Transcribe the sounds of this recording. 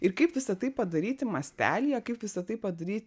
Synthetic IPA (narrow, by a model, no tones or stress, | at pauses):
ɪɾkɐɪpʋʲɪsɐt̪ɐɪpɐd̪ɐɾʲiːt̪ʲɪmɐsʲt̪ʲæ̰ːlʲijɛkɐɪpʋʲɪsɐt̪ɐɪpɐd̪ɐɾʲiːt̪